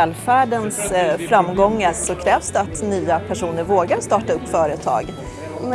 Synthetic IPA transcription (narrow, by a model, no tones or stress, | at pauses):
ɛːlfæːɖənsfɾamːɡɔŋːaɾsɔkʰɾɛːvsd̪ɛat̪nyːapʰæʂuːnəɾvoːɡaɾʂt̪ɑːʈaɵpːfœːɾət̪ʰɑ̰ːɡ